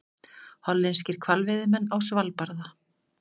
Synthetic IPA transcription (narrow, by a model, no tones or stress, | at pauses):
hɔlːɪns̬cɪɾ̥kʰvalvɪðɪmɛnːawsvalpaɾða